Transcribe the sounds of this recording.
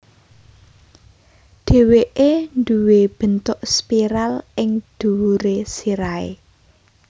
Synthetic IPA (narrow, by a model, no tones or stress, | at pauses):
ɖ̪̥e̤weʔend̪uweb̥ə̤nt̪ʊʔspiɾalʔɪŋd̪̥ṳuɾesiɾaḛ